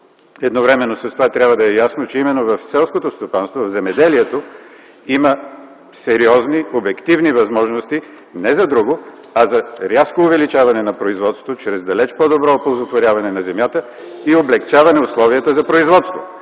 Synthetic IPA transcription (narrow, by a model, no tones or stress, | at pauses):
ɛd̪novɾɛmɛnːosɐst̪ovat̪ɾʲabvəd̪ɐɛjasnot͡ʃɛimɛnːovɐfsɛlˠskot̪ost̪opanst̪vovɐvzɛmɛd̪ɛliɛt̪o | imə | sɛɾiɔzniobɛkt̪ivnivɐzmɔʒnost̪i | nɛzɐd̪ɾuɡo | ɐzɐɾʲaskoːvɛlit͡ʃavɐnɛnɐpɾoizvɔt̪st̪vot͡ʃɾɛzd̪ɐlɛt͡ʃpɔd̪obɾɔpolˠzot̪voɾʲavɐnɛnɐzɛmʲjat̪ə | ioblɛkt͡ʃavɐnɛʊslˠɔviət̪əzɐpɾoizvɔt̪st̪vo̰